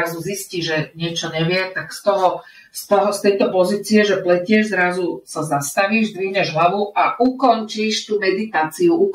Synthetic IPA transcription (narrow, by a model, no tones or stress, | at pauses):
azuzisciːʒʒɛɲɪɛt͡ʃɔɲɛʋɪɛt̪akst̪ɔɦɔ | st̪ɔɦɔst̪ɛjt̪ɔpɔziːt͡siɛʒɛplɛcɪɛʒzɾazusazast̪aʋiːʒd̪ʋiɦɲɛʒɦlaʋuaʔukɔnt͡ʃiːʃt̪uːmɛd̪it̪aːt͡siuʔuk